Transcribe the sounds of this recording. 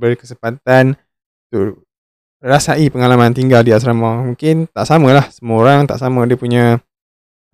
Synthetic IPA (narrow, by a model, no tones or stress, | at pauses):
bərkəsəmpat̪̚an | t̪uʔ | rasaʔipəŋalamant̪iŋɡaldias̬ɾamamũŋkɪnt̪aʔsaməlahsəmoɾaŋt̪a̰ʔsamə̃diəpuɲã